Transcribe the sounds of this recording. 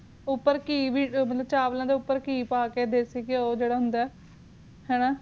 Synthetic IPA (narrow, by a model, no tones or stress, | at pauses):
ʊpːəɾkiːʋiːmət̪ləb̚t͡ʃaːʋlãːd̪eːʊpːəɾkiːpaːkeːd̪eːsiːkɪoːd͡ʒeːɽaːɦʊnd̪aːɛː | hɛːnãː